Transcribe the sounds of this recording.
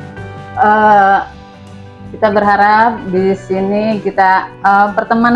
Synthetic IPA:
ʔə | kit̪abərɦaɾap̚disinikit̪aəpərt̪əman

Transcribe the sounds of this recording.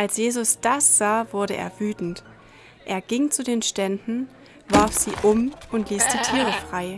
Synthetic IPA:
ʔalsjeːzʊsd̥asz̥aːvʊɐɾəʔḛːɐvyːtn̩t | ʔeːɐɡ̥ɪŋt͡sudeːnʃtɛndn̩ | vaɐfz̥iːʔʊmʊntliːsd̥iːtʰiːʁəfʁ̥aɪ

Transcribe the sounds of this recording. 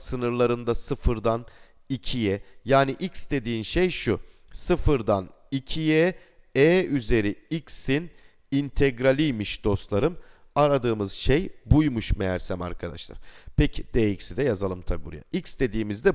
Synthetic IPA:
sɯnɯɾlˠaɾɯnd̪asɯfɯɾd̪an | icʰijɛjaːniʔicsd̪e̞d̪iːnʃejʃu | sɯfɯɾd̪anicʰijɛ | ɛːyze̞ɾiicsin | int̪ʰɛɡɾalʲijmiʃd̪̥o̞st̪lˠaɾɯm | aɾad̪ɯːmɯzʃejbujmuʃmejæɾsæma̰ɾkʰad̪a̰ʃlˠa̰ɾ̥pʰecʰid̪̥ɛːicsid̪ɛjazalˠɯmt̪ʰabibuɾa̰ja̰ʔicsd̪e̞d̪iːmizd̪ɛ

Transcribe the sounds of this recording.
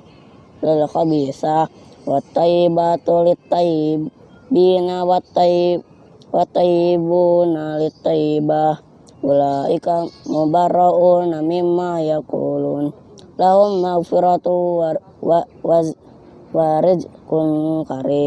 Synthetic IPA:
lilxabisawat̪ːaibat̪ulit̪ːai | binawat̪ːai | wat̪ːaibunalit̪ːaiba | ulaikamubaɾaʔunamimːajakṵlun | laɦumːaɣfiɾat̪u | wa | waɾid͡ʒkunkaɾi

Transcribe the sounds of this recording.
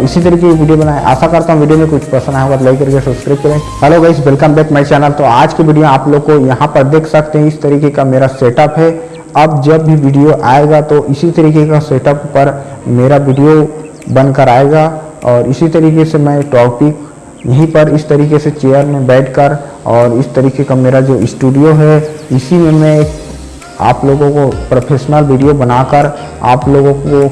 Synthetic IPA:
ɪsit̪ɐɾiːkekiʋiːɖijobɐnaːḛ̃ʔɛ̰ːsakɐɾt̪aːɦũʋiɖijomẽkʊt͡ʃʰpɾɐsə̃nd̪aɦokaɾlaɪkːɐɾɡeesɐbskɾaːɪp̚kɐlẽ | ɦɛloɡɛɪsbɪlkə̃mbɛːkmɛ̃t͡ʃɛːnəlt̪oaːd͡ʒkeʋiːɖijõaːploːɡ̚kojɐɦãpɐɾd̪eːkʰsɐk̚t̪eɦɛ̃ɪst̪ɐɾiːkekameːɾaseːʈɔːpɦɛ | ɐbd͡ʒɐbːʱiʋiːɖijoʔaːeɡat̪oʔɪsit̪ɐɾiːkekaseːʈɔːpːɐɾmeːɾaʋɪːɖijo | bɐ̃nkəɾaːeɡa | ɔːɾɪsit̪ɐɾiːkesemɛ̃ʈɔːkpɪk | jɐɦĩpəɾɪst̪ɐɾiːkeset͡ʃeːjəɾmẽbɛːʈʰkəɾ | ɔːɾɪst̪ɐɾiːkekameːɾad͡ʒoːʔɪsʈuːɖijoɦɛɪsimẽmẽ | a̰ːploːɡõkopɾopʰeːʃnəlʋiɖijobɐnaːkəɾ | a̰ːploːɡõko

